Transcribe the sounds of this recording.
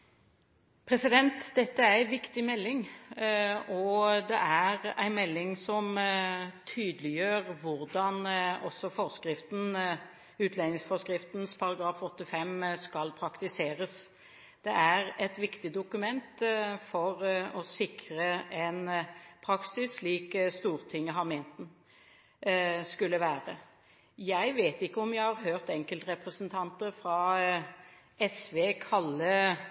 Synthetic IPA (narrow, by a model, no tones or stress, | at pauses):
pʰɾɛsɪd̪ɛnt̪d̪ɛt̪ːəææʋɪkt̪ɪmɛlːɪŋ | ɔd̪ɛʔæɾæ̰ɪnmɛlːɪŋsɔm | t̪ʰyːd̪əlɪjøːɾʋʊɾd̪ɑnɔsːɔfɔɾskɾɪft̪n̩ | ʉːt̪ʰleːnɪŋsfɔskɾɪft̪n̩spʰɑɾɑɡɾɑːfɔt̪ːɪfɛmskɑlpʰɾɑkt̪ɪseːɾəs | d̪̥ɛʔæɾɛt̪ʋɪkt̪ɪd̪ʊkʉmɛnt̪fɔʁɔsɪkʰɾəɛnpʰɾɑksɪsːliːkst̪uːɾt̪ʰɪŋːəɦɑmeːnt̪n̩ | skʉlːəʋæːʁə | jæɪʋeːt̪ɪkːəɔmjæɪhɑʁɦøːʁt̪ɛŋkəlt̪ɾɛpʁəsnt̪ʰɑnt̪əɾfɾɑ | ɛsʋeːkʰɑlːə